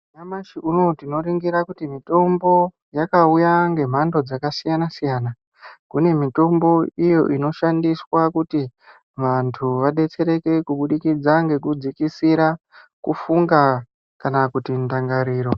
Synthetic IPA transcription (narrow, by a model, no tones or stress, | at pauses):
namaʃiʔunotino̞ɾiŋɡiɾakutimito̞mbo̞ | jakaujaŋɡe̞m̤ando̞d͡zakasijanasijaːna | kune̞mito̞mbo̞ijo̞̰ʔino̞ʃandiswakuti | ʋantʰuʋaɗe̞t͡se̞ɾe̞ke̞kuɓuɗikid͡zaŋɡe̞kud͡zikisiɾa | kufuŋɡa | kanakutindaŋɡaɾiːɾo̞